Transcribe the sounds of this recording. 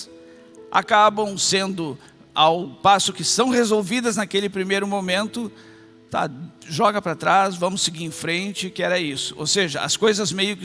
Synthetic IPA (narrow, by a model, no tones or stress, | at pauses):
ʔa̰kabɐ̃w̃sẽnd̪ʊ | awpasʊkɪsɐ̃w̃ʁezowvid̪ɐznɐkelɪpɾimejɾʊmõmẽnt̪ʊ | t̪a̰ʒɔɡɐpɾɐt̪ɾasvɐ̃mʊsːɪɡiɾẽfɾẽnt͡ʃɪkɪɛɾɐisʊ̥o̰seʒɐɐ̰skojzɐzmejʊkɪ